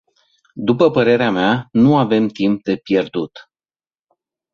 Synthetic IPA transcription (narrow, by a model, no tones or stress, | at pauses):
d̪upəpəɾe̞ɾeameanuave̞mt̪imp̚d̪e̞pje̞rd̪ut̪